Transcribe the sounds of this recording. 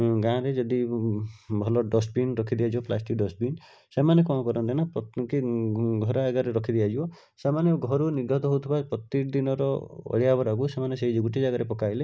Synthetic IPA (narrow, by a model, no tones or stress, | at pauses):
ɡãɾed͡ʒɔd̪i | bʱɔlɔɖɔsbinɾɔkʰid̪ijad͡ʒibɔplasʈik̚ɖɔsbin | semanekɔ̃kɔɾɔnt̪inapɔkiɡʱɔɾaeɡaɾeɾɔkʰid̪iad͡ʒibɔ | semanjɔɡʱɔɾuniɾɡɔt̪ɔɦowt̪ʰibapɾɔt̪id̪inɔɾɔɔ̰ɭijabɔɾaɡusemaneseɦid͡ʒiɡuʈid͡ʒaɡaɾepɔkaile